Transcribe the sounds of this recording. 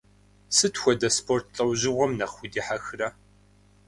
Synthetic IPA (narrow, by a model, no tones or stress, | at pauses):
sɨtʰxʷɔdɐspʰoːrtʰɬʼɐwʑɪʁʷɔmnɐχxʷʊdiːħaxɨrɐ